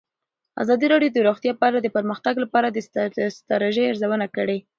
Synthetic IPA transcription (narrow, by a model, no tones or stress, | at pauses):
a̰zɑd̪iɾɑɖjod̪əɾuxt̪jɑpaalad̪əpəɾməxt̪aɡlapɑɾad̪əst̪ɾɑɾeʒəjaɾzawənakəɽe